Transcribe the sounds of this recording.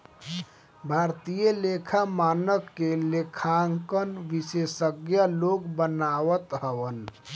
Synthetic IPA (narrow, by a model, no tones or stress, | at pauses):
bʱaːɾt̪ijəlekʰamaːnəkːelekʰaŋkənʋisesəɡjaloɡbənaːwət̪ɦəʋən